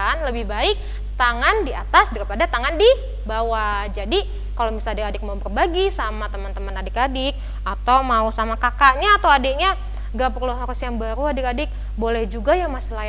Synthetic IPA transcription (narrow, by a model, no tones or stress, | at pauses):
anləbɪhbaɪk̚ | t̪aŋandiat̪asdaɾipadat̪aŋandi | bawad͡ʒadi | kalomisaladɪkadɪk̚maubərbaɡisamat̪əmant̪əmənadɪkadɪk̚ | at̪awmausamakakaʔɲaːt̪awadeʔɲa | ɡapərluɦaɾusjaŋbaɾuadɪkadɪk̚ | bolɛhd͡ʒuɡajaŋmasila